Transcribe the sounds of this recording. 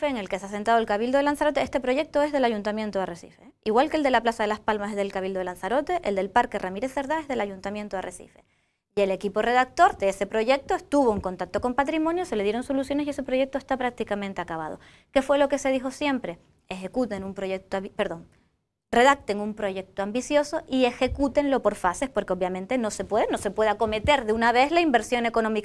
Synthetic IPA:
feːŋe̞lkeseas̬ent̪aðe̞lkaβild̪oelansaɾo̞t̪eest̪epɾo̞ʝe̞k̚t̪o̞e̞zðe̞laʝunt̪amjent̪oaresḭfeiɣwalkeld̪e̞laplasaðe̞laspalmasezðe̞lkaβ̞ild̪oelansaɾo̞t̪e̞ʔeld̪e̞lpaɾke̞ramiɾesθe̞ɾðae̞zðe̞laʝunt̪amjent̪oa̰rʔḛsḭfe̞̰ | e̞le̞kipo̞re̞ðak̚t̪o̞ɾd̪eese̞pɾo̞ʝe̞k̚t̪oest̪uβo̞eŋko̞nt̪ak̚t̪oko̞mpat̪ɾimõ̞njose̞leðjeɾoŋso̞lusjone̞siese̞pɾo̞ʝe̞k̚t̪oest̪apɾak̚t̪ikamẽnt̪e̞akaβa̰ð̞o̰ | ke̞fwe̞lo̞ke̞se̞ðixosje̞mpɾe̞ | exe̞kut̪e̞numpɾoʝek̚t̪oipeɾðo̞ŋ | re̞ð̞ak̚t̪e̞ŋumpɾo̞ʝe̞k̚t̪oambisjo̞so̞ie̞xe̞kut̪e̞nlo̞po̞ɾfase̞spo̞ɾkeoβjamẽ̞nt̪e̞no̞se̞pwe̞ðenose̞pwe̞ð̞ako̞me̞t̪e̞ɾðeunaβe̞zlaimbe̞ɾsjo̞ne̞ko̞no̞mik

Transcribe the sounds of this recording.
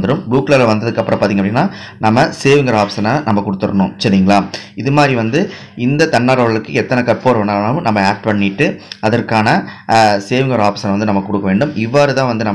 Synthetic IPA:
nd̪ɯɾɯmbɭuːklaːlʋɐnd̪ɐðɯkːɐpːɯɾɐ̃pːaːɾt̪iːŋɡɐpːɐɽinːaː | nɐmːɐseːʋɪŋɡɐɾaːfɪ̥sɐnɐnɐmːɐkʊɽɯt̪ːɯɾɐ̰ɳʊ̃sɐɾiːŋɡɐɭaːɪðɯmaːd̪ɾiʋɐnd̪ɯ | ɪnd̪ɐt̪ɐɳːaːɾɐɐɭɯkːɯɛt̪ːɐnɐkɐɾpoːɾʋɐɳaːnɐʋɯ̃nɐmːɐaːk̚ʈpɐɳːɪʈːɯɐðɐɾkaːnɐseːʋɪŋɡɐɾaːfɪ̥sɐnɐʋɐnd̪ɯnɐmːɐkːʊɽɯkːɐʋeːɳɖɯmɪʋːaːɾɯt̪ãːʋɐnd̪ɯnɐm

